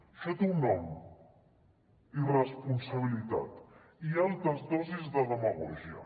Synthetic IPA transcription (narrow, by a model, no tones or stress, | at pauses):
fet̪unːɔm | irəspunsəβ̞ilit̪a̰t̪ | ialˠt̪ɾəzd̪ɔzizðəðəməɣɔ̰ʒiə̰